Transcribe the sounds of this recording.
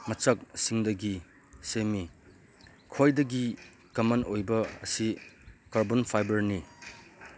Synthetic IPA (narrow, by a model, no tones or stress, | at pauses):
mɐt͡ʃɐk̚siŋdɐɡi | semi | kʰojdɐɡi | kɐmɐnojbɐːsikaɾbonpʰajbɐɾni